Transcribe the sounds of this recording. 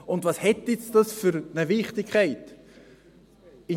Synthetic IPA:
ʊndvɑshɛtːɪt͡sd̥ɑsfʏɾnəvɪχtɪkʰχaɪt | ɪ

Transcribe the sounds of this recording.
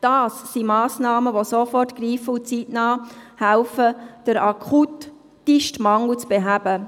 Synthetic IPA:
d̥ɑːsːimɑːsnɑːməʋosofɔrtɡ̥ɾiːfəut͡sitnɑːhælfəd̥əɾɑkʰutː | iʃtmɑŋlut͡sb̥eɦæb̥ə

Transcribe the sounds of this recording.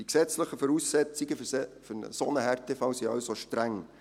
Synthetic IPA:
d̥iksɛt͡sləχəfɔɾuːsːɛt͡sɪɡəfnə̰sonəɦɛrtɛfɑwsiɑwsoʃtɾæŋ

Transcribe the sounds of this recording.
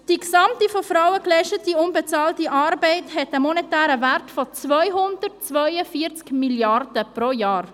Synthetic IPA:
d̥iksɑmtifofrawəklɛɪʃtətiʊnbet͡sɑːltiʔɑːrbɛɪthɛtəmɔnetæːɾəvæɾtfɔt͡svœʏɦʊndərtt͡svœʏəfiəɾt͡skmiljɑrd̥əproːjɑːr

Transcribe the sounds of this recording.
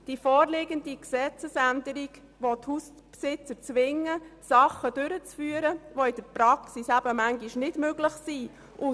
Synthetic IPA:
d̥ifɔːɾlɪɡəndiksɛt͡səsændəɾiɡ | ʋothus | psɪt͡səɾt͡sʋɪŋːəsɑχəd̥ʏɾət͡sfyːəɾəvoɪd̥əɾpɾɑksisæbəmæŋɡiʃnɪdmøɡlɪχsi | ʔʊ

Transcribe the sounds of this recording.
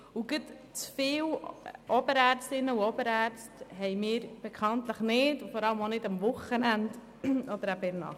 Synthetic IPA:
uɡət | t͡sfɪːwʔɔbəɾæːrt͡stɪnːəuɔbəɾæːɾt͡stɦɛjmɪːɾb̥ekʰɑnt̪ləχnɪtfɔɾɑləmonɪdɑmʋʊχənænd | ɔd̪əɾæbɪnɑ̰

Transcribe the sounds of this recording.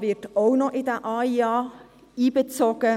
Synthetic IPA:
vɪtoʊnɔʔɪdəʔɑːiɑː | iːbət͡soɡ̥ə

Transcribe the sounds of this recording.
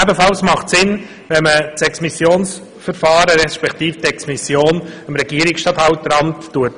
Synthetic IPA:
æbəfɑlsmɑχtsɪn | vɛnmət͡sɛksmisjoːns | fəɾfɑːɾəɾɛʃpɛkt̪iːftɛksmisjoːnəmɾɛɡiːɾɪksʃtɑt̪hɑʊtɾɑmtːuət

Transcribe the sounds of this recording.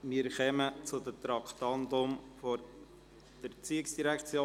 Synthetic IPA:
miːɾχœmət͡sʊd̪ət̪ɾɑkt̪ɑnd̪ʊmfoɾ | d̥əɾt͡siɪksd̥iɾækt͡sjoː

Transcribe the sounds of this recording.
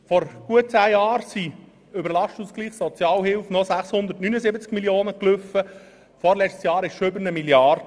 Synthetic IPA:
fɔɾɡ̥uət̚t͡sæːjɑːɾsi | ʏbəɾlɑʃtʊsɡ̥liːχsɔt͡sjɑːlɦɪlfnɔsæχshʊnd̪əɾtnynəzɪbət͡skmiljoːnəkløfə | fɔɾlɛt͡stsjɑːɾɪʃʃoʏbəɾnəmiljɑrd

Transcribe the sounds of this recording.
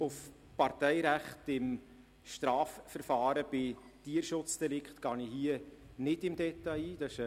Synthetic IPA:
ʊf | pɑɾtɛɪɾæχtɪm | ʃtɾɑːffəɾfɑːɾəb̥ɪ | t̪iəɾʃʊt͡sd̪̥ɛlɪkχtɡ̥ɑːnihiə | nɪdɪmd̥̪ɛt̪ɑiːd̪̥ɑɪʃ

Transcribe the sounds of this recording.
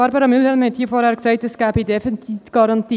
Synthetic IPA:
ɑɾbɑɾɑmylhɛlmhɛthiːəfɔːɾhæːɾksɛɪtɛsɡ̥æːbədɛfintʰiːfɡ̥ɑɾɑntiː

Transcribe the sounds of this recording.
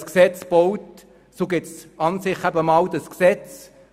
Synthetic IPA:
sksɛt͡sb̥ɔwt | soɡɪtsɑnsɪχæbəmɑwd̪əsksɛt͡s

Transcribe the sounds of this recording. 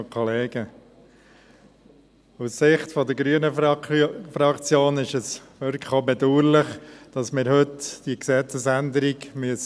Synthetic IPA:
kʰɔleːɡ̥ə | usːɪχtfɔd̪əɾɡɾyənə | fɾɑkt͡sjoːnɪʃəsʋøɾkʰχobɛd̪uːɾlɪχd̥ɑsmɪːɾhɵtd̥iəksɛt͡səsænd̪əɾiɡmyəs

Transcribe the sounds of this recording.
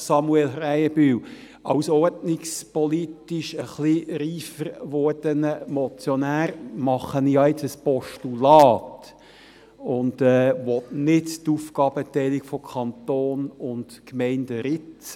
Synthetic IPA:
sɑmuɛlræjəbyːw | ɑʊsɔrdnɪkspɔlitɪʃəχliɾiːfəɾʋɔːd̥ənəmɔt͡sjɔnæːɾmɑχːənjɑɪt͡səspɔʃtulɑːt | ʊnd̥ɛʋɔtnɪttufkɑːbətɛɪlikfɔkʰɑnt̪oːnʊntkmɛɪndəɾɪt͡s

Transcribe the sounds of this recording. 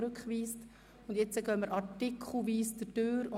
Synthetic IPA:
ɾʉkχʋiːst | ʊndjɛt͡səɡœməɾɑtɪkʰχl̩ˠʋiːsdətøːɾʊ

